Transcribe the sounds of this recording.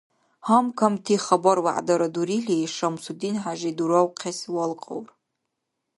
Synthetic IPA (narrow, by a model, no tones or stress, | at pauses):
hamkʰamtʰiχabarwa̰ʔdaɾaduɾiɬijʂamsudinħaʒiduɾawqʲʰaswalqʼa̰wr